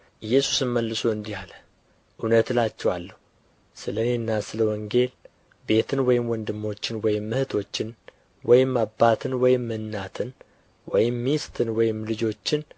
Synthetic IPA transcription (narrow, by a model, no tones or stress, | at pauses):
ʔɨjːɛsu̥sɨnməlːɨsoɨnd̪ihalə | ʔunət̪lat͡ʃːɛwalːəhu | sɨlənenːasɨləwɔŋɡe̞l | be̞t̪ʰɨnwɔjɪmwɔnd̪ɨmːo̞t͡ʃːɪnwɔjɪmːɨhɨt̪ʰo̞t͡ʃːɪn | wɔjɪmːabat̪ʰɨnwɔjɪmːɨnːat̪ʰɨn | wɔjɪmːist̪ʰɨnwɔjɪmlɨd͡ʒo̞t͡ʃːɪn